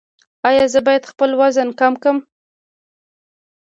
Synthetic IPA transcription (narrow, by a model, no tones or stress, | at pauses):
ɑjɑzəbɑjad̪xpəlwazənkɑmkəm